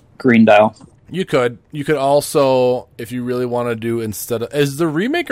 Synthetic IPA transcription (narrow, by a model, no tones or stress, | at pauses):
ɡ̥ɹĩndeɪlˠ | jɨkʰɨd̚jɨkɨɾɔlˠsoʊɨfjɨɹɪlˠiwɑ̃nɨdɨɪ̃nstɛɾʌɨzðɨɹimeɪkə